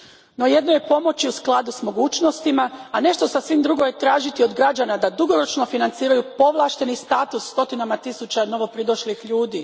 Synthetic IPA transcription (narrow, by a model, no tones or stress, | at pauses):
no̞je̞d̪noje̞po̞mo̞t͡ɕiusklˠad̪usmo̞ɡuːt͡ʃno̞st̪imaːne̞ʃt̪o̞sasʋimd̪ɾuɡo̞jet̪ɾaːʒit̪io̞d̪ɡɾad͡ʑanad̪ad̪uɡo̞ɾo̞t͡ʃno̞finant̪siːɾajupo̞ʋlˠaːʃt̪e̞nist̪aːt̪usːt̪o̞t̪inamat̪isut͡ɕano̞ʋo̞pɾid̪oʃlixʎuːd̪iː